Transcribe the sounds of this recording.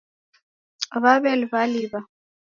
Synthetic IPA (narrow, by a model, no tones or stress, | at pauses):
βaβɛlβaliβa